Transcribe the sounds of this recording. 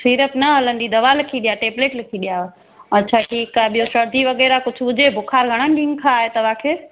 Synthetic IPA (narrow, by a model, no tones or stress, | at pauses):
siːɾəpnɐɦɐlənd̪id̪ɐʋaːlɪkʰiɗijaʈeːbleːʈlɪkʰiɗija | ɐt͡ɕʰaːʈʰiːkaːɓijosɐɾd̪ʱiʋɐɣɛːɾakʊd͡ʑʱʰʊbʊd͡ʑebʱʊkʰaːɾɡʱɐɽ̃ənɗɪ̃ŋɡkʰaːɦet̪ɐʋakʰeː